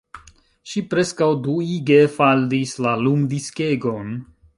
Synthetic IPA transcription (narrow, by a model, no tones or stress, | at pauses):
ʃipɾe̞skawduiɡefaldislalumdiskeɡon